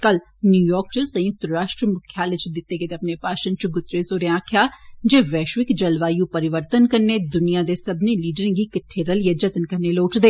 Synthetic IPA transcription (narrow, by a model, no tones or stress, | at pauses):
kɐl | njuːjɔːk̚t͡ʃəsɐ̃jʊk̚t̪ɾɾaːʃʈɾəmʊkʰjalɪt͡ʃd̪ɪt̪ːeːket̪eɐpnepaːʃənt͡ʃɡʊt̪ːɾesoːɾeãːkʰjaːd͡ʒeːʋɛːʃʋɪkd͡ʒɐlʋaːjũpəɾɪʋəɾt̪ənkɐɾned̪ʊnijaːd̪esɐbneliːɖəɾə̃ɡikɪʈʰːeːɾəljəd͡ʒɐt̪ənkɐɾneloːʈd̪eː